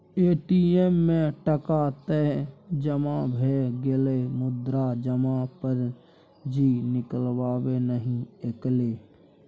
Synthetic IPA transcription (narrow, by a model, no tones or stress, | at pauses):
eːʈiːemːẽʈəkat̪ed͡ʒəmabʱeɡelemʊd̪ɾad͡ʒəmapəɾ | d͡ʒiːnɪkəlwaːwenəɦĩekleː